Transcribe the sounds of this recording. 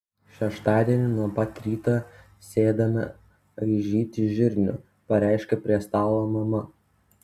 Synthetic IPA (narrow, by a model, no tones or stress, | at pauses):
ʃʲɛʃt̪ɑːd̪ʲiɛnʲɪnuɔpɐt̪ʲɾʲiːt̪ɑː | sʲeːd̪ɐmʲɐ̰ | iʒʲiːt̪ʲɪʒʲɪɾʲnʲʊ̰ | pɐɾʲæˑɪʃʲkʲɛpʲɾʲiɛst̪ɑːˑlˠoːmɐmɐ